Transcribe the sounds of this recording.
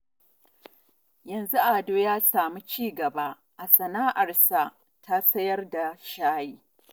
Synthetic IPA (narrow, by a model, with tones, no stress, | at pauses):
jɐ˨nzu˦ʔa˨doː˦jaː˦saː˨mu˦t͡ʃiː˦ɡɐ˨ba˦ | ʔa˨sɐ˨naː˦ʔa˨rsa˨ | tʰa˦sɐ˦jɐ˦rda˨ʃaː˦jiː˦